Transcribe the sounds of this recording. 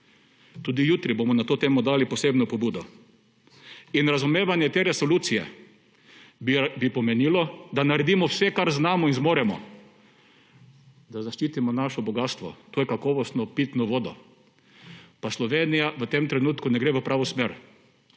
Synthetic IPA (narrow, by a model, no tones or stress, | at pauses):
t̪uːd̪ijuːt̪ɾibomɔnat̪oːt̪eːmɔd̪aːlipɔseːbnɔpɔbuːd̪ɔ | inɾazumeːʋanjɛt̪eːɾɛsɔluːt̪sijɛ̰ | bipɔmɛniːlɔd̪anaɾɛd̪imɔwsɛkaɾznaːmɔinzmoːɾɛmɔ̰ | d̪azaʃt͡ʃiːt̪imɔnaʃɔbɔɡast̪ʋɔ̰t̪oːjɛkakɔːʋɔst̪nɔpit̪nɔʋoːd̪ɔ | paslɔʋeːnijaʋət̪emt̪ɾɛnuːt̪kunɛɡɾeːʋəpɾaːʋɔsmeːɾ